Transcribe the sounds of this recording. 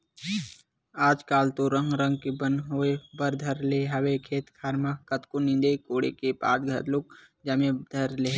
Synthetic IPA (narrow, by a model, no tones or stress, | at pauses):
aːd͡ʒkaːlt̪oɾə̃ŋɡɾə̃ŋɡ̚kebənɦoebəɾd̪ʱəɾleɦɐwekʰeːt̪kʰaːɾmakɐt̪kunɪ̃nd̪ekoːɽḛkepa̰ːt̪ɡʱɐ̰t̪lʊk̚ | d͡ʒɐmed̪ʱɐɾle